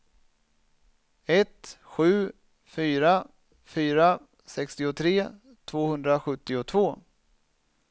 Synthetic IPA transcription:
ɛt̪ɧʉ̟ː | fyːɾa | fyːɾa | sɛkst̪ɪʊt̪ʰɾeː | t̪ʰvoːhɵnd̪ɾaɧɵt̪ːɪʊt̪ʰvoː

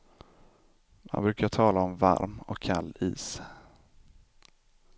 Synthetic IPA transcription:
ma̰nbɾʉ̟ːkaʈʰɑːlaɔmva̰ɾmɔkʰːalːḭːs

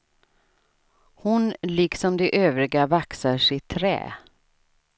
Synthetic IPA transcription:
hʊnlɪksɔmd̪ɛʔøːvɾɪɡavaksaʂɪt̪ʰːɾɛ̰ː

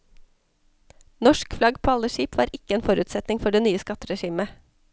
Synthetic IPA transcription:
nɔʃkflɑɡpʰoːɑləʃiːpʋɑːɾʔɪkəeːnfɔɾʉːt̪sɛt̪nɪŋfɔɖeːnyːəskɑt̪ɾɛʃiːmə

